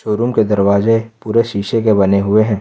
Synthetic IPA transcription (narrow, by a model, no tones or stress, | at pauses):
ʃoːɾumked̪ɐɾʋaːzepuːɾeʃiːʃekebɐneɦʊeɦɛ̃ː